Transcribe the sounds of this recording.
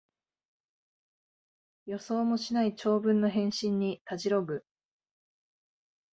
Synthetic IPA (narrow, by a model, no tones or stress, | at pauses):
jo̞so̞ːmo̞ɕinait͡ɕo̞ːbɯ̟̃nːo̞ɦẽ̞ɰ̃ɕĩɲːit̪ad͡ʑiɾo̞ɡɯ̟